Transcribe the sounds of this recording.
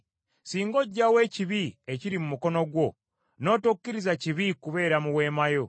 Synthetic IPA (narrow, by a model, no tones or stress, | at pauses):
siːŋɡo̞ɟːawe̞ːciβie̞ciɾimumuko̞no̞ɡwo̞ | no̞ːtukːiɾizaciβikuβe̞ːɾamuwe̞ːmajo̞